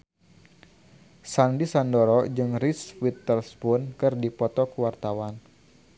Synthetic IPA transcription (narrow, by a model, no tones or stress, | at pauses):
sandisandɔɾɔd͡ʒɨŋrisfit̪ːərspʊnkɨrdipɔt̪ɔkuwart̪awan